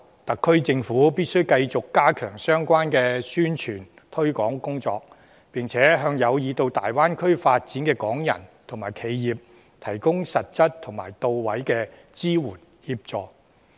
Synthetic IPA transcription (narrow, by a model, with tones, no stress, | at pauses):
t̪ɐ˨kʰːɵ˥ɥt͡sɪ˧ŋfuː˨˥piː˥t̚sɵ˥ɥkɐ˧jt͡sʊ˨kːaː˥kʰœ̰ː˨˩ŋsœː˥ŋkʷwaː˥nkɛː˧syː˥nt͡ʃʰyː˨˩n | t̪ʰɵ˥ɥkɔː˨˥ŋkʊ˥ŋt͡sɔː˧k̚ | pɪ˨ŋt͡sʰɛː˨˥ɦœː˧ŋjɐ˨˧wjiː˨˧t̪o˧wt̪aː˨jwaː˥nkʰɵ˥ɥfaː˧t̚t͡siː˨˥nkɛː˧kɔː˨˥ŋjɐ̰˨˩nt̪ʰŋmaː˨˩jkʰe˨˧jːiː˨p̚ | t̪ʰɐ˨˩jkʊ˥ŋsɐ˨t̚t͡sɐ˥t̚t̪ʰʊ˨˩ŋma̰ː˨˩jt̪o˨˧wwɐ˨˥jkɛː˧ | t͡siː˥wuː˨˩n | hiː˧p̚t͡sɔː˨˧k̚